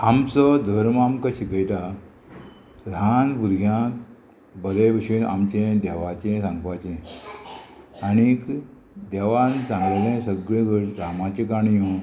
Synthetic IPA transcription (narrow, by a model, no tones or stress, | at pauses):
amt͡sɔd̪ʱəɾmamkaɕikəjt̪a | ɾʱanbuɾɡʱjã | bəlebəɕina̰mt͡ɕẽd̪ɛʋat͡ɕẽsãŋɡʋat͡ɕɛ̃ | aɽ̃ik | d̪ɛʋansãŋɡlelẽsəɡɭẽɡəɾɾamat͡ɕikaɳjũ